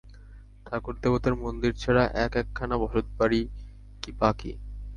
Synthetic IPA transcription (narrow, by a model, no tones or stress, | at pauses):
t̪ʰakoɾt̪epot̪aɾmond̪iɾt͡ɕʰɛɽaʔɛkɛkʰːanabɔʃot̪̚paɾi | kipakḭ